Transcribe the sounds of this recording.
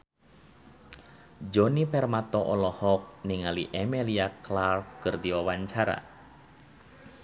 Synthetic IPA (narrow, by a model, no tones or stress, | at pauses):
d͡ʒonipɛrmat̪ɔʔɔlɔhɔk̚niŋaliʔɛmeliaklarkkːɨrd̪iwawaɲt͡ʃaɾa̰